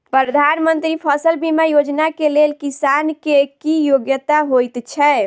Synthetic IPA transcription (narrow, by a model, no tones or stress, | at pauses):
pɾəd̪ʱanmənt̪ɾipʰəsəlbimajod͡ʒnakelelkisankekijoɡjət̪aɦojt̪t͡ʃʰɛ